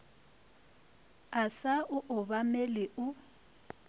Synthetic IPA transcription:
asaʔʊʔʊbamɛlɪʔʊ

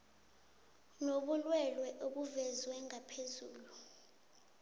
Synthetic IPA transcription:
noɓulwɛlwɛʔoɓuvɛzwɛŋapʰezuːlu

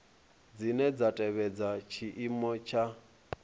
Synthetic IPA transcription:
d͡zinɛd͡zatʼɛβɛd͡zat͡ʃʰiʔimɔt͡ʃʰa

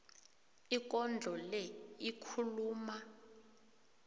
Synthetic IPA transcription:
ik̬ʼɔnd͡ɮʱɔlɛikʰuluːma

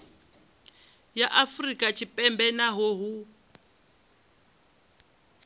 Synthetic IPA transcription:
jaʔafrikʼat͡ʃʰipʼɛmbɛnaɦoɦu

